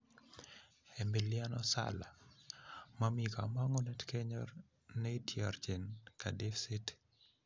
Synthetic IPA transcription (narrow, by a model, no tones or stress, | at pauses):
embiljanɔsa̰la | mamikamaŋɔnɛtkɛɲɔ̰r | neitjart͡ʃenkadɪfsɪt